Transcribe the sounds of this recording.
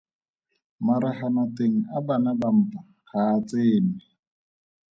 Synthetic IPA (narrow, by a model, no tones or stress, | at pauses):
maɾaχanɔteŋ̩abanabam̩ːpa | χaːt͡seːnɪ